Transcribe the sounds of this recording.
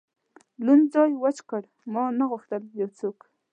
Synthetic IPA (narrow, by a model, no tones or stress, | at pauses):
lʊnzɑjwat͡ʃkaɽ | mɑnaɣʊxt̪əljawt͡sok